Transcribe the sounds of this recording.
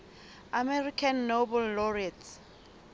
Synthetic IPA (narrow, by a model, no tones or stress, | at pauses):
amɛrikʰanːobɛlːɔriat